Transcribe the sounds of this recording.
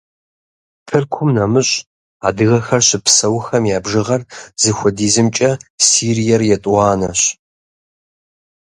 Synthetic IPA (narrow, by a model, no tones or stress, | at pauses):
pʰɨrkʷʰʊmnɐmɨɕʼ | a̰ːdɨɣɐxɐrɕɪpʰsɐwxɐmjaːbʒɨʁɐrzɨxʷɔdiːzɨmt͡ʃʼɐsiːrijɛrjɛtʼɑːnɐɕ